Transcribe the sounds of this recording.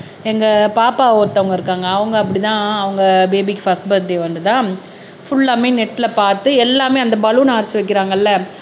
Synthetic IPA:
ɛŋɡɐpaːpaːoːɾt̪ːɐʋɐŋɡɐɪɾɯkːaːŋɡɐːʋɐŋɡɐɐp̬ːɐɽit̪ãːɐʋɐŋɡɐbeːbikːɯfɐsʈbɐðleːʋɐnd̪ɯt̪ãː | fʊɭːaːmeːnɛʈːɪlɐpaːɾt̪ːɯɛlːaːmeːɐnd̪ɐbɐɭunaːɾɪt͡ʃːɯʋɐɪkːɪɾaːŋɡɐlːɐ

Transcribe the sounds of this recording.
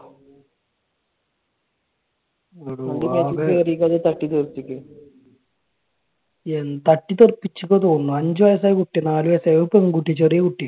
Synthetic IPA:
oɽuɐndimeːieɐrijikʲːɐɐðet̪ɐʈːit̪erp̪ːikʲːɨ | ent̪ɐʈːit̪erpːit͡ɕːukʲːɐt̪oːnːuɐɲd͡ʑɨʋɐjɐs̬aːjkuʈːinaːluʋɐjɐsɐʋɐpːɐmkuʈːit͡ɕːɐrijekuʈːi

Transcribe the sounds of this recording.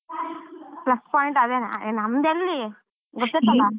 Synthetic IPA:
plɐspaːjɳʈad̪eːn̰enɐmd̪elːi | ɡɔt̪ːet̪ːɐlːa

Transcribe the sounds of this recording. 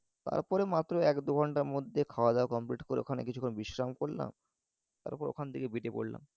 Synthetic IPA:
t̪a̰ɾpɔɾemat̪ːɾoɛkd̪uɡʱɔɳʈaɾmod̪ʱːekʰaoad̪ɛakɔmpliʈkoɾḛo̰kʰanḛkit͡ɕʰukʰːonobiʃɾamkoɽla̰m | t̪a̰ɾpɔɾeo̰kʰand̪ikebiʈepo̰ɽla̰m

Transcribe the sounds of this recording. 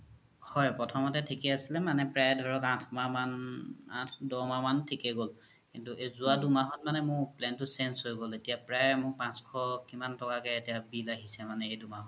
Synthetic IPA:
hɔjpɹɔtʰɔmɔtɛtʰikɛasilɛmanɛpɹajɛdʱɔɹɔkãtʰmamanãtʰdɔmamantʰikɛɡol | kintuʔezuadumaɦɔt̚manɛmʊɹplɛntʊsɛnsɦojɡoletijapɹajɛmʊɹpãskʰɔkimantɔkakɛetijabilaɦisɛmanɛejdumaɦɔn

